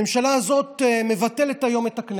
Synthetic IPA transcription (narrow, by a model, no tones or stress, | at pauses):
emʃalaːzo̞teme̞vate̞letajo̞metakn